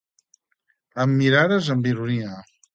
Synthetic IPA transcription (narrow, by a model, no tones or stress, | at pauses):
əmːiɾaðəzəmbiɾuniə